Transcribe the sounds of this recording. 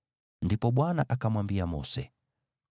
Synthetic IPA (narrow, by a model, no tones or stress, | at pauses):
ndipɔɓwanaʔakamwambiamɔ̰sɛ